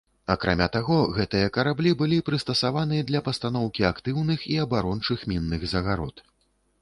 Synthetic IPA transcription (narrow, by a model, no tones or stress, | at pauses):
ɐkɾʔa̰mʲat̪aɣɔɣɛt̪ɨjɐkɐɾablʲibɨlʲipɾɨst̪ɐsavanɨjɐd̪lʲɐpɐst̪an̪ɔwkʲiakt̪ɨwnɨxiɐbaɾɔnt͡ʂɨxmʲinːɨɣzɐɣaɾɔ̰t̪